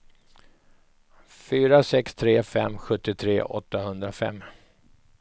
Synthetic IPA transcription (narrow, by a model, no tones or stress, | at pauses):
fyːɾasɛkst̪ʰɾeːfɛmːɧɵt̪ːɪt̪ʰɾḛːʔɔ̰t̪ːahɵnd̪ɾafɛ̰mː